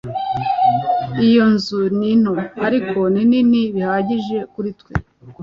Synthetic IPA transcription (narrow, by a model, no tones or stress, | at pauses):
ijo̞nzunin̥hoaɾikʰo̞nininiβihaːɟiʒe̞kuɾitkwe